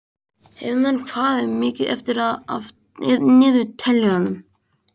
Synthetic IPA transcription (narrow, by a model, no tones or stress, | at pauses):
ej̪ankʰvaːðɪmɪːcɪðɛ̰ft̪ɪɾaða | ðnɪːðʏt̪ʰɛljahanːʏm